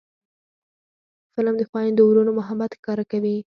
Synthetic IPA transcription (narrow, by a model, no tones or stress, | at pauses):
fɪlamd̪əxwɑjand̪əwɾunomʊɦabat̪xkɑɾakawi